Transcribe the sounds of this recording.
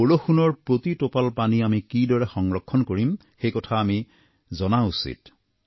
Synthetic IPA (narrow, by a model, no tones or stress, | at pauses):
oloxunɔɹpɹot̪itopalpaniamikidɔɹɛxɔŋɹɔkʰːɔnkoɹim | xejkɔtʰaːmi | zɔnausḭt